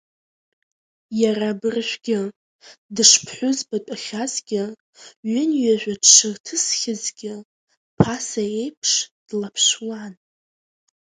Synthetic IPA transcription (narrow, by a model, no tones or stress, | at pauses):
jaɾabɨrʃʷᶣɡʲɪ | dɨʂpʰħʷʊzbatʼaχʲazɡʲɪ | ɥɪnɥaʒᶣʷadʂɨrtʰɨsχʲɪzɡʲɪ | pʰasae̞jpʰʂd̥lapʰʂwan